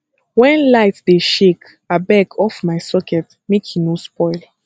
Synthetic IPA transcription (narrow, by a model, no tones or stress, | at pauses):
wɛ̃nlaɪtdeʃek | abɛkʰɔfmajsɔkʰɛt̚ | mekʰinospɔɪl